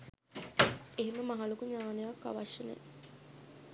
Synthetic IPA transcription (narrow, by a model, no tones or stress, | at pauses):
eɦeməmɐɦɐlukuɲaːnejakːa̰ʋɐʃːɐnḛ